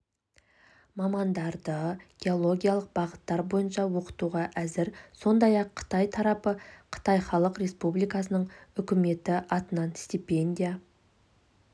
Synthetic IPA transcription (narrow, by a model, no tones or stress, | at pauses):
mɑmɑnd̪ɑɾd̪əɡ̥ʲe̞o̞lˠo̞ɡʲijalˠəq̚bɑʁət̪ːɑɾbo̞jənʃɑwo̞qə̥t̪uʁɑʔæzɪɾso̞nd̪ɑjɑqʰːə̥t̪ɑjt̪ʰɑɾɑpəqʰə̥t̪ɑjχɑlˠəqɾe̞spublijkɑsənəɴʏkʲɪme̞t̪ɪʔɑt̪ənɑnst̪ipe̞nʲd̪ʲija